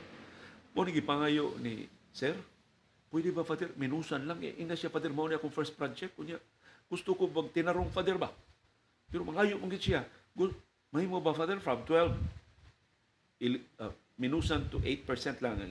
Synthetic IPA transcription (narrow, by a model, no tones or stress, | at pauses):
mawniɡipaŋajʊʔnḭsɛr | pʊjdibafad̪ɛrminusanlaŋḛʔiŋat̪siafad̪ɛrmaoniakʊŋfɛɾst̪̚pɾant͡ʃɛk̚kʊɲjaʔ | ɡ̥ʊst̪ʊkʊbaɡ̚t̪inaɾʊŋfad̪ɛɾba | peɾomaŋajʊʔmaŋɡɪd̪siaɡʊ | mahimobafad̪ɛrfɾamt̪wɛlv | l | minusant̪uʔet̪̚pɛɹsɛnt̪laŋ̰